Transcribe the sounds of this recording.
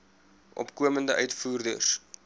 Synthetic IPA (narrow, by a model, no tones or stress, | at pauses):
ʔɔ̰pkuəməndəʔœɥtfuːrdə̰s